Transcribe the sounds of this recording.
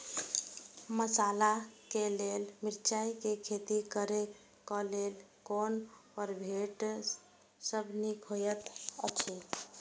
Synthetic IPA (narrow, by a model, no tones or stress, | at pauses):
məsalakelelmiɾt͡ʃaikekʰet̪ikəɾe | kɔlelkonpəɾbʱeʈ | səbʱnikɦojət̪ə̰t͡ʃʰe